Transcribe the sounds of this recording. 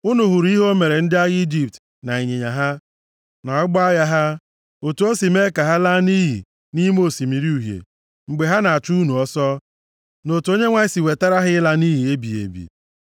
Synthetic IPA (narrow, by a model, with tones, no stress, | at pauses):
ʊ˦nu˨ɦʊ˨ɾi˦ɦo˦me˨ɾe˨n̩˦dɪ˦a˦ɣi˦d͡ʒi˨p̚t | na˨i˨ɲe˨ɲa˨ɦa˦ | na˨ɔ˦ɡ͡bɔ˦a˦ɣa˦ɦa˦ | o˨tu˨˦o˦si˨me˦ka˨ɦa˦la˦ni˦ɦḭ˨ | ni˦m˦o˦˨si˨mi˨ɾi˦u˨ɦjḛ˨ | ŋ͡m̩˨ɡ͡be˨ɦa˦na˨a˨tu˦u˦nu˨ɔ˦sɔ˦ | no˨tu˨o˦ɲe˦ŋʷa˦si˨we˨ta˦ɾa˦ɦɪ˦la˦ni˦ɦi˨e˦bḭ˨ḛ˨bḭ˨